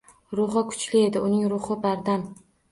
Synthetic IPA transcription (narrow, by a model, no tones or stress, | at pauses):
ɾʊχɨkʰʊ̥t͡ʃlɪe̞d̪ɪʊnɪŋɾʊχɨbaɾd̪an